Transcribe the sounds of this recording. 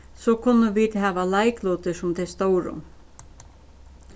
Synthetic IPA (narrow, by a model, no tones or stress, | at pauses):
sɔkʰʊnːəʋiːd̪hæːʋalaɪkloːt̪əʂʊmt̪ʰɛst̪oʊɾʊ̰